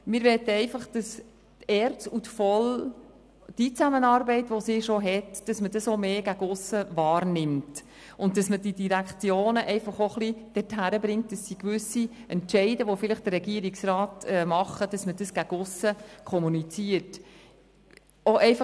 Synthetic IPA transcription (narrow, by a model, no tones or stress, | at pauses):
mɪːɾʋɛt̪ːəɛɪfɑχd̥ɑs | tɛːɾt͡sutfɔl | d̥it͡sæmənɑːɾbɛɪtʋosɪʃoɦɛtd̥ɑsmədəsomeːɡ̥æɡʊsːəvɑːɾnɪmt | ʊntd̥ɑsməd̥idiɾækχt͡sjoːnəʔɛɪfɑχoχlid̥ɛthæɾəbɾɪŋt̚d̥ɑsːikʋʏsiɛntt͡ʃɛɪdəʋofɪləχd̥əɾɛɡiəɾiksɾɑːtɛmɑχːəd̥ɑsmədəsɡ̥æɡ̥ʊsːəkʰɔmunit͡siəɾt | oʔɛɪfɑ